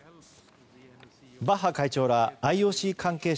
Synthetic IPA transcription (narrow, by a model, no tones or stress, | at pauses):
baɦakait͡ɕo̞ːɾaːioːɕikʰãŋke̞ː